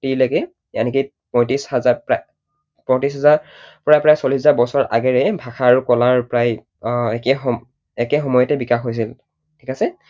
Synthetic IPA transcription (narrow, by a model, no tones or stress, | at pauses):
tiɹlaɡɛ | ja̰niki | pɔj̃tishazapa | pɔ̃tɹis̬ɦazaɹpɹajpɹajsɔlisɛzabɔsɔɹʔa̰ɡɛɹɛbʱaxaɹukɔlaɹpɹaj | ɛkɛxɔ | ɛkɛxɔmɔjɔtɛbikaxɦojs̬il | tʰikasɛ